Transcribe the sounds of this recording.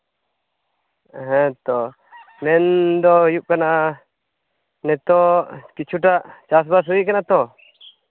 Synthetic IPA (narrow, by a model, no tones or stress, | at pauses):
ɛɦɛ̃t̪ɔ | mɛnd̪ɔjuʔkanaʔ | nɛt̪ɔkit͡ʃʰuʈaʔt͡ʃas̬bas̬uiʔkanat̪ɔ